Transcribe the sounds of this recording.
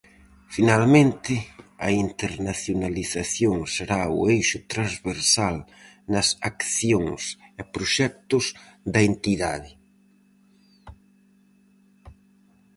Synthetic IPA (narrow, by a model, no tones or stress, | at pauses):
finalmẽnt̪ɪɐ̰int̪eɾnaθjonaliθaθjoŋseɾaʊ̰ejʃʊt̪ɾãzβeɾsal | nɐsakθjoŋsɛpɾoʃɛk̚t̪ʊsd̪ɐent̪iðaðɪ